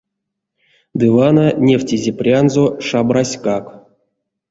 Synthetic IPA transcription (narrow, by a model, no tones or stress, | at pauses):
d̪ɨvananʲeftʲizʲeprʲanzoʂabrasʲkak